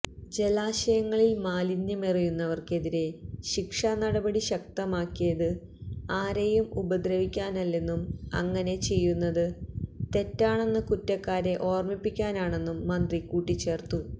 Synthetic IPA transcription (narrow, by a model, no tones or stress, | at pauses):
d͡ʑe̞laːɕɐjɐŋːɐɭilmaːlinjɐmerijunːɐʋɐrke̞ðiɾeɕikʂanɐɽɐbɐɽiɕɐk̚t̪ɐmaːkːijɐðɨ | aːɾejumubɐd̪ɾɐʋikʲːaːnɐlːe̞nːumɐ̰ŋːɐne̞t͡ɕe̞jːunːɐðɨt̪e̞tːaːɳe̞nːɨkutːɐkːaːɾe̞ʔo̞ːrmipːikʲːaːnaːɳe̞nːumːɐnd̪rikuːʈːit͡ɕːe̞ːrt̪u